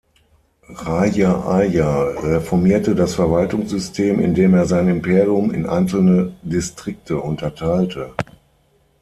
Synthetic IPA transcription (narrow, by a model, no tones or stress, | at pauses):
ʁajaʔajaʁɛfɔɐmiːɐtədasfɛɐvaltʊŋsz̥ʏstʰeːmɪ̰ndeːmeːɐzaɪnɪmpʰeːʁiʊmɪ̰nʔa̰ɪnsl̩nədɪstʁ̥ɪk̚tʰəʔʊntɐtʰaɪltʰə